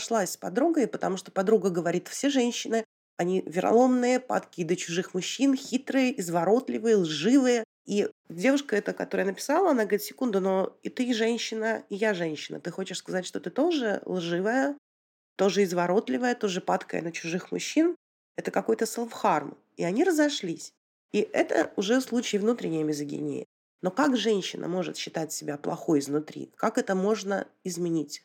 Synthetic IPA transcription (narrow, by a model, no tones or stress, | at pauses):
ʂlˠasʲspɐd̪ɾuɡəɪpət̪ɐmuʂt̪opɐd̪ɾuɡəɡəvɐɾʲit̪fsʲeʐɛnʲɕːɪnɨ | ɐnʲivʲɪɾʔɐ̰lˠo̞mnɨjəpa̰t̪kʲɪd̪ət͡ɕʊʐɨxmʊɕːinxʲit̪ɾɨjəʔɪzvɐɾo̞t̪lʲɪvɨjəlˠʐɨvɨjə | idʲe̞vʊʂkəɛt̪əkɐt̪o̞ɾəjənəpʲɪ̥salˠəɐnaɡəɐɾʲit̪sʲɪ̥kund̪ʊno̞ɪt̪ɨʐɛnʲɕːɪnəɪjaʐɛnʲɕːɪnə̰t̪ɨxo̞t͡ɕɪʂskɐzatʲʂt̪o̞t̪ɨt̪o̞ʐɨ̰lˠʐɨvəjə | t̪o̞ʐɨɪzvɐɾo̞t̪lʲɪvəjət̪o̞ʐɨpat̪kə̰jə̰nət͡ɕʊʐɨxmʊ̰ɕːin | ɛt̪əkɐko̞jt̪əsɨlˠfxarm | ɪ̰ɐnʲiɾəzɐʂlʲisʲ | iʔɛt̪ə̰ʊʐɛslˠut͡ɕɪjɪvnut̪ɾʲɪnʲɪjəmʲɪzɨɡʲɪ̰nʲḛjɪ̰ | no̞kakʐɛnʲɕːɪnʔə̰mo̞ʐɨ̰t̪ɕːɪt̪atʲsʲɪbʲaplˠɐ̰xo̞jɪznʊt̪ɾʲḭkakɛt̪əmo̞ʐnəɪzmʲɪnʲitʲ